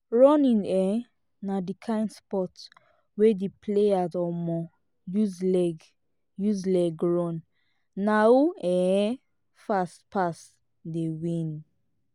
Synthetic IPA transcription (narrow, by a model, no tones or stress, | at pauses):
ɹɔ̃nĩnɛ | nadikʰãɪ̃nspɔt | wedipʰleazɔmɔ | juzlɛɡ | juzlɛɡɹɔ̃nː | auɛ̃ | fastpʰas | dewĩn